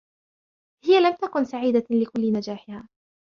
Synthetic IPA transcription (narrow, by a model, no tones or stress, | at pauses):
hɪjalamt̪akʊnsaʕiːd̪alɪkʊlːɪnad͡ʒaːħɪhaː